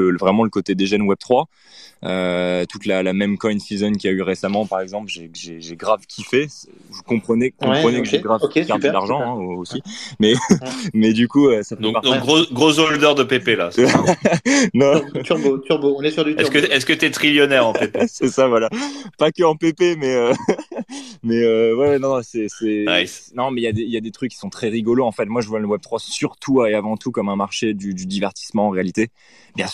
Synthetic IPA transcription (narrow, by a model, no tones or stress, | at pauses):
əvʁɛmɑ̃ləkot̪ed̪eʒɛnwɛb̚t̪χwa | øt̪ut̪lalamɛmkɔjnsizɔnkʲiayʁesamɑ̃paʁɛɡzɑ̃plʒeʒeʒeɡʁavkʲʰifɛsvəkɔ̃pχənɛkɔ̃pχənɛkəʒeɡʁavɡaʁəlaʁʒɑ̃ɛ̃oosimɛmɛd̪ykuøsad̪ɔ̃pad̪ɔ̃ɡʁoɡʁozold̪œʁd̪əpepela̰s | nɔ̃t̪ʁot̪yʁboɔ̃nɛsyʁd̪yɛskəɛskət̪yɛt̪χiljɔnɛʁɑ̃epsɛsavwalapakəɑ̃pepemɛø | mɛøwɛwɛnɔ̃nɔ̃sɛsɛanɔ̃mɛiljad̪eiljad̪et̪χykʲːisɔ̃t̪χɛʁiɡɔloɑ̃fɛt̪mwaʒəvwaləwɛb̚t̪χwasyʁt̪ʰueavɑ̃t̪ukɔmɛ̃maʁʃed̪yd̪yd̪ivɛʁt̪i̥smɑ̃ːʁealit̪e | bjɛ̃s